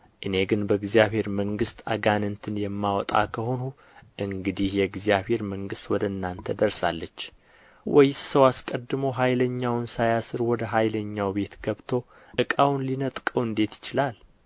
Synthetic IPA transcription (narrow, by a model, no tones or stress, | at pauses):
ʔɨne̞ɡɨnbəɨɡzjaβhe̞ɾməŋɡɨst̪ʰa̰ɡanɨnt̪ʰɨnjɛmːawɔt̪ʼa̰kʰəho̞nu | ʔɨŋɡɨd̪ihjɛɡzijaβhe̞ɾməŋɡɨst̪wɔd̪əɨnːant̪ʰəd̪əɾsa̰lːət͡ʃː | wɔjɪsəwaskʼəd̪ːɨmowɦajləɲːawnsajasɨɾwɔd̪əɦajləɲːawbe̞t̪ɡəβt̪ʰo̞ | ʔɨkʼawnlinət̪ʼkʼəwɨnd̪e̞t̪jɪt͡ʃɪlal